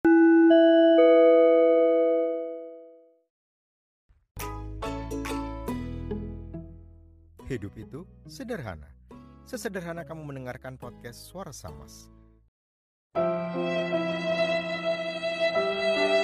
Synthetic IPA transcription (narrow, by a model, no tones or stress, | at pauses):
hidupit̪usədərɦa̰na̰səsədərɦanakamumənəŋarkanpɔt̪̚kɛsːuaɾasa̰ma̰s